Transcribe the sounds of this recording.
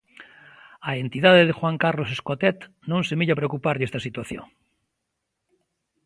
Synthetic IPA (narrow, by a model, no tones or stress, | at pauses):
aent̪iðaðeðexwaŋkarloseskot̪et̪ | nõŋsemiʎapɾeokupaɾðest̪asit̪waθjo̰ŋ